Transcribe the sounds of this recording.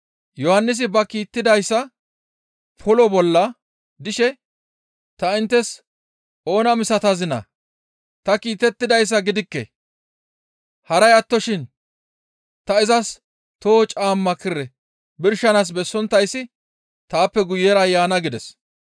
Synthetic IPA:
jɔhɐnːɪs̬ɪbɐkiːt̪ːɪd̪ɐjsːɐ | pʰɔlɔbɔlːɐ | d̪ɪʃɛ | t̪ɐɪnt̪ːɛs | o̞ːnɐmɪsɐt̪ɐzɪnɐ̰ | t̪ɐkiːt̪ɛt̪ːɪd̪ɐjs̬ːɐɡɪd̪ɪkːɛ̰ | hɐɾɐjɐt̪ːɔʃɪn | t̪ɐɪzɐs | t̪oːt͡ʃʼaːmːɐkːɪrɛ | bɪɾʃɐnas̬bɛsːɔnt̪ːɐjsɪ | t̪aːpːɛɡʊjːɛɾɐjaːnɐɡɪd̪ɛs

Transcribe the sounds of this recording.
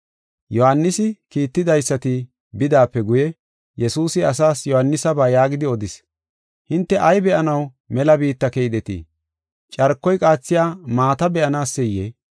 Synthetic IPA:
jɔhanːɪsɪkiːt̪ːɪd̪ɐjsːɐt̪ɪ | bɪd̪aːpːɛɡʊjɛ | jɛsuːsɪɐs̬aːsjɔhɐnːɪsɐbaːjaːɡɪd̪ɪɔd̪ɪs | hɪnt̪ːɛʔɐjbɛʔɐnɐw | mɛlɐbiːt̪ːɐkɛjd̪ɛt̪ḭː | t͡ʃʼɐɾkːɔjkʼaːt͡sːɪjaːmaːt̪ɐbɛʔɐnaːsːɛjːe

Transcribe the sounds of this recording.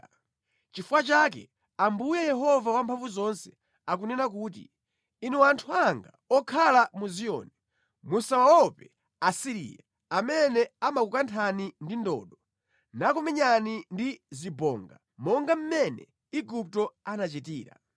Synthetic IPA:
t͡ʃifuwat͡ʃak̬ɛ̰ | ambujɛjɛɦɔvawampʰaɱvuzɔnsɛ | akunɛnak̬uːtḭ | inɛwantʰuaŋɡa | ɔkʰalamuzijɔ̰ni | musawawɔpɛ | asiɾḭːja | amɛnɛamakukantʰanindindɔ̰ːɗɔ | nakɔmɛɲanindizibɔ̰ːŋɡa̰ | mɔŋɡam̩mɛnɛ̰ | iɡup̚tɔanat͡ʃitiːɾa̰

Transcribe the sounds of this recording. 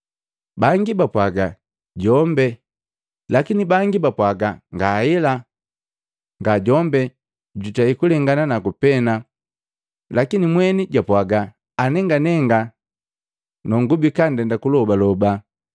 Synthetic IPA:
baŋɡibapwaɡa | ɟɔmbɛ | lakinibaŋɡibapwaɡaŋɡaɛla | ŋɡaɟɔmbɛ | ɟutaikulɛŋɡananakupɛna | lakinimwɛniɟwapwaɡaː | nɛŋɡanɛŋɡa | nɔŋɡubikandɛndakulɔbalɔba

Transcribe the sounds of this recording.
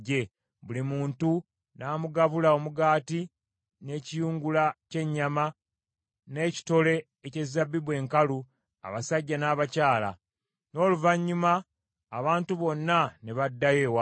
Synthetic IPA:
e̞ | βulimuːntu | naːmuɡaβulao̞muɡaːti | ne̞ːcijuːŋɡulace̞ɲːama | ne̞ːci̥to̞le̞ːce̞zabːiβwe̞ːŋkalu | a̰βasaɟːanaːβacaːla̰ | no̞ːluvaɲːumaː | βaːntuβo̞nːaneβadːaje̞wa

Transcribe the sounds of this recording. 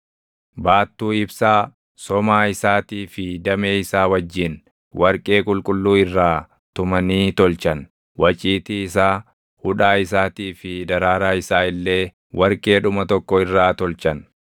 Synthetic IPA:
baːt̪ːuːɪbsaː | sɔmaːɪsaːt̪iːfɪd̪ɐme̞ːɪsaːwɐd͡ʒːɪn | wʔɐɾkʼe̞ːkʼʊlkʼʊlːuːɪrːaː | t̪ʊmɐniːt̪ɔlt͡ʃɐn | wɐt͡ʃʼiːt̪iɪsaː | hʊᶑaːɪs̬aːt̪iːfɪd̪ɐɾaːɾaːɪsaːɪlːe̞ː | wʔɐɾkʼe̞ːᶑʊmɐt̪ɔkːɔɪrːaːt̪ɔlt͡ʃɐn

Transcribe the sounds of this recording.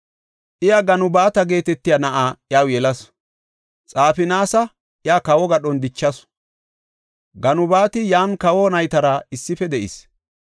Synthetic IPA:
ʔɪjaɡɐnʊbaːt̪ɐɡe̞ːt̪ɛt̪ːɪjɐnɐʔaːjaːwjɛlɐs | t͡sʼaːfɪnaːsɐ | ʔɪjaːkɐwɔɡɐɗɔnd̪ɪt͡ʃːɐs | ɡɐnʊbaːt̪ɪjaːnkɐwɔnɐjt̪ɐɾɐɪsːɪfɛd̪ɛʔɪ̰s

